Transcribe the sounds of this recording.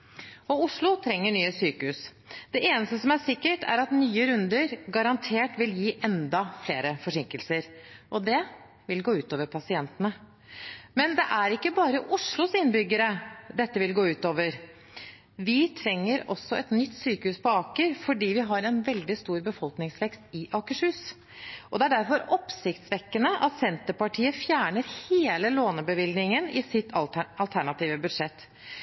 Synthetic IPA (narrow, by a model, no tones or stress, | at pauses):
ɔʊʂɭʊt̪ʰɾɛŋːəɳyːəsyːkəhʉːs | d̪̥ɛʔeːnəst̪əsɔmæʂɪkːəʈʰæ̰ɾɑt̪nyːəɾʉnd̪əɾɡɑɾɑnt̪ʰeːʈʋɪljiːʔɛnd̪ɑfleːɾəfɔʂɪŋkəlsəɾʔɔd̪ɛ | ʋɪlɡoːʉːt̪oːʋəɾpʰɑsɪɛnt̪ənə | mɛnd̪ɛʔæɾɪkːəbɑːɾəʔʊʂɭʊsɪnbʏɡəɾəd̪ɛt̪ːəʋɪlɡoːʉːt̪oːʋəɾ | ʋɪt̪ʰɾɛŋːəɾɔ̰sːɔɛt̪nʏt̪ːsyːkəhʉːspɔɑːkəɾfɔɖiːʋɪɦɑɾɛnʋɛld̪ɪst̪uːɾbəfɔlknɪŋsʋɛkst̪ɪʔɑkəʂʉːs | ʔɔd̪ɛæɖæɾfɔɾɔpsɪkt̪sʋɛkːənəʔɑt̪sɛnt̪əɾpɑʈʰiːəfjæːɳəɾheːləloːnəbəʋɪlnɪŋənɪsɪt̪ːɑlt̪ʰæɳɑt̪iːʋəbʉd̪ʂɛt̪ː